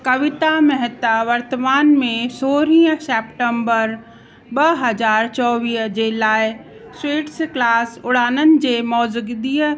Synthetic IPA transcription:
kəʋɪt̪amɛɦt̪aʋəɾt̪əmaːnmẽsoːɾĩːə̃sɛːpʈəmbəɾ | bəɦəd͡ʒaːɾt͡ʃɔːʋiːsd͡ʒelaːj | sweːʈsklaːsʊɽaːnənɪ̆d͡ʒemɔːzəɡd̪iːə

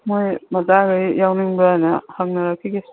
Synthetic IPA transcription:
mojmɐzaɡɯjjawniŋbɐjanɐhaŋnɐɾɐkʰːiɡi

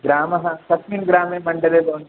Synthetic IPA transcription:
ɡɾaːmɐɦɐsɐsminɡɾaːmeːmɐɳɖɐleːd̪oːn

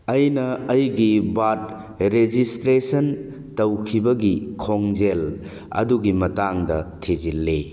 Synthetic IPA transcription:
ɐjnɐːjɡibat̚ | ɾed͡ʒistɾesɐn | tɐwkʰibɐɡikʰoŋd͡ʒel | ɐ̰duɡimɐtaŋdɐtʰid͡ʒilːe

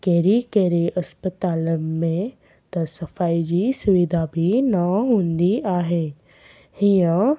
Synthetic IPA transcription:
keːɾikeːɾeʔɐspət̪aːləmmẽ | t̪ɐsɐfaːid͡ʒisʊʋɪd̪ʱabʱinaɦõːnd̪iʔaːɦeː | hɪjã

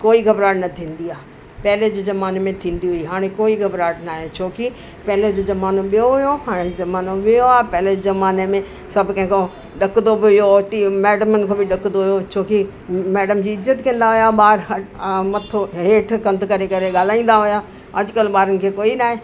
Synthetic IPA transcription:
koːiɡɐbɾaːɽnɐt̪ʰĩːnd̪iaː | pɛɦɪled͡ʑezɐmaːnemẽt̪ʰĩːnd̪iɦʊiɦaːɽ̃ẽkoːiɡɐbɾaːɽnaːɦet͡ɕʰoːki | pɐɦɪled͡ʑoːzɐmaːnõɓijoɦʊjoɦaːɽ̃ezɐmaːnoɓɪjoaːpɛɦɪled͡ʑzɐmaːnemẽ | sɐbkɐ̃ɦɪ̃ko | ɗɐk̪d̪obɪɦɪjoʈimɛːɖəmənkʰoːbɪɗɐkʰnd̪oɦʊjot͡ɕʰoːki | mɛːɖəmd͡ʑiːɪzːət̪kɐ̃n̆d̪aɦʊjaɓaːɾɦɐmɐt̪ʰoɦeːʈʰkɐ̃nd̪kɐɾekɐɾeɠaːl̤aːĩːn̆d̪aɦʊja | ɐd͡ʑkəlɓaːɾənɪ̆kʰeːkoːinaːɦeː

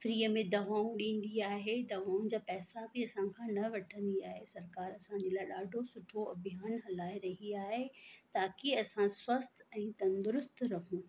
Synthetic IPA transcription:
fɾiːəmẽd̪ɐʋaːũɗĩːn̆d̪iaːɦed̪ɐʋaːũnd͡ʑaːpɛːsabɪɐsãkʰãːnɐʋɐʈʰə̃nd̪iaːɦesɐɾkaːɾɐsãɲd͡ʑeːlaːɪɗaːɖʱosʊʈʰoɐbʱijaːnɦɐlaːiɾɐɦiaːɦet̪aːkiɐsãswɐst̪ɛ̃ːt̪ɐ̃nd̪ʊɾʊst̪ɾɐɦũː

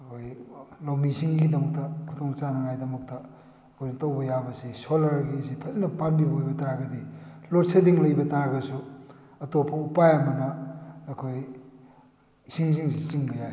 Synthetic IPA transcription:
ɐkʰojlawmisiŋɡidɐmɐk̚tɐkʰutʰoŋt͡ʃanɐŋajdɐmɐk̚tɐ | ɐkʰojnɐtɐwbɐjabɐsisolɐɾɡisipʰɐzinɐpanbibɐojbɐtaɾɡɐdilotsʰediŋlɐjbɐtaɾɡɐsu | ɐtopʰɐupajɐmɐnɐːkʰoj | siŋs̬iŋs̬it͡ʃiŋbɐja

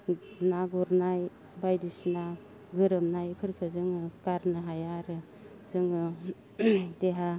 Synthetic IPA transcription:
naɡuɾnaj | bajdisna | ɡɯɾɯmnajpʰɯɾkʰɯzɯŋɯkaɾnɯɦajaɾɯ | zɯŋɯ | deɦa

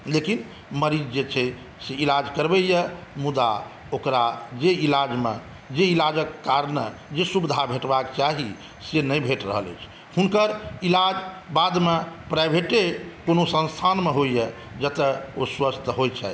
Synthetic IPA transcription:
lekin | məɾid͡ʒd͡ʒet͡ʃʰɛ | seilad͡ʒkəɾbɛjəmud̪a | okɾad͡ʒeilad͡ʒmḛ | d͡ʒeilad͡ʒəkːaɾnəd͡ʒesubid̪ʱabʱeʈbakt͡ʃaɦi | senəjbʱeʈɾə̰ɦələ̰t͡ʃʰ | hunkəɾilad͡ʒbad̪mepɾajbʱeʈekonosə̃nst̪ʰanmeɦojjə | d͡ʒət̪əoswəst̪ʰɦojt͡ʃʰa̰

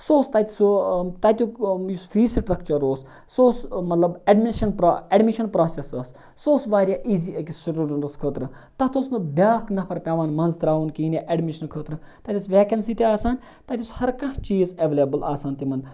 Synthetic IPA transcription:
soːst̪ɐt̪ʲisut̪ɐt̪ʲujusfʰiːsʈɾɐk̚t͡ʃɐɾoːs | soːsmɐt̪lɐbɐɖmiʃɐnpɾeɖmiʃɐnpɾaːsesɐsː | oːsʋaːɾʲjaːʔiːziːɐkisɐɾuːɾnɐskʰəːt̪ɾɨ | t̪ɐt̪osnɨbʲaːknɐpʰɐɾpʲjaːʋaːnmɐnzt̪ɾaːʋunkiːnʲeʔeɖmiʃɐnkʰəːt̪ɾɨt̪ɐt̪ʲisʋeːkɐnsiːt̪eaːsaːn | t̪ɐt̪ʲishɐɾkɐ̃ɦt͡ʃiːzeʋeljɐbɐlaːsaːnt̪imɐn

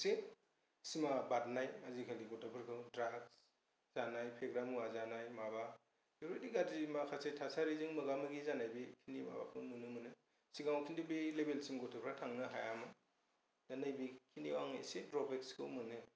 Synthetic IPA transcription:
se | simabat̚najazikʰaliɡɔtʰapʰɯɾkʰɯwdɾaks | z̥anajpʰeɡɾamuazanajmaba | deɾojdiɡadimakʰasetʰasaɾizɯŋmɯɡamɯɡizanajbikʰiniba̰ba̰kʰɯwmɯnɯmɯnɯ | siɡawkʰindibilebelsimɡɔtʰɯpʰɾatʰaŋnɯɦajamɯ | danajbikʰiniwaŋa̰jsedɾɔbekskʰɯwmɯnɯ

